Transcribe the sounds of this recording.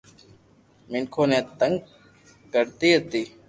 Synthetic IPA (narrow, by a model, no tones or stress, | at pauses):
mɪnkʰoːnẽːt̪əŋɡ | kəɾt̪iːɦət̪iː